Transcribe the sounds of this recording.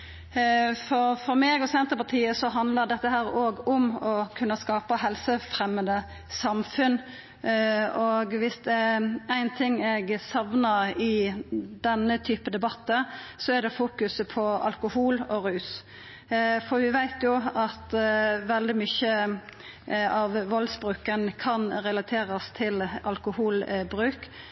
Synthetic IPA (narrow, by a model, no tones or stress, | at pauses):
fɔɾfɔɾmeːɡɔsɛnt̪əɾpɑt̪ʰiːəsɔɦɑnd̪ləʁd̪ɛt̪ːəɦæːɾoːɡʊmɔkʰʉnːəskɑːpəɦɛlsəfɾɛmːənd̪ə | sɑmfʉn | oːɡʋɪsd̪ɛææɪnt̪ʰɪŋːɛɡsɑʋnəɾɪd̪ɛnːət̪ʰyːpəd̪ɛbɑt̪ːəsɔæɖ̪ɛfuːkʉsəpʰɔɑ̰lkʊhuːlɔɾʉːs | fɔɾʋɪʋæɪt̪jʊɑt̪ʋɛld̪ɪmʏçə | ɑʋʋɔlsbɾʉːkənkʰɑnɾɛlɑt̪ʰeːɾɑst̪ʰɪlɑlkʊhuːlbɾʉːk